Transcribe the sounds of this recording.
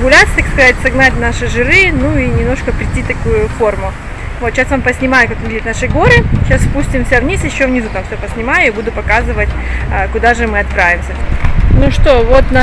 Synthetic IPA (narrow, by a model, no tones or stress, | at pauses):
ɡʊlʲat̪sət̪akskɐzatʲsɐɡnatʲnaʂɨʐɨɾɨnuinʲɪmno̞ʂkəpɾʲɪtʲːit̪ɐkujʊfo̞rmʊ | vot̪ɕːasvampəsʲnʲɪmajʊkakonvʲidʲɪt̪naʂɨɡo̞ɾɨɕasfpusʲtʲɪmfsʲavnʲisjɪɕːovnʲɪzut̪amfsʲopəsʲnʲɪmajʊibud̪ʊpɐkazɨvətʲəkʊd̪aʐɨmɨɐt̪̚pɾavʲɪmsʲənuʂt̪o̞vot̪na